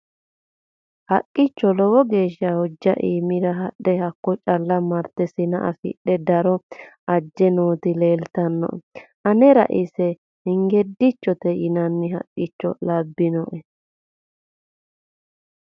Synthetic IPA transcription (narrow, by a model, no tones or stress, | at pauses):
hɐkʼːɪt͡ʃːɔlɔwɔɡe̞ːʃːɐhɔd͡ʒːɐʔiːmɪɾɐɦɐɗɛhɐkːɔt͡ʃʼɐlːɐmɐɾt̪ɛsɪnɐ̰ʔɐ̰fɪ̰ɗɛd̪ɐɾɔ | ɐd͡ʒːɛnoːt̪ɪle̞ːlt̪ɐnːɔ̰ʔʔɐnɛɾɐ̰ʔɪsɛ | hɪŋɡɛd̪ːɪt͡ʃːɔt̪ɛjɪnɐnːɪɦɐ̰kʼːɪt͡ʃːɔ̰lɐbːɪnɔʔɛ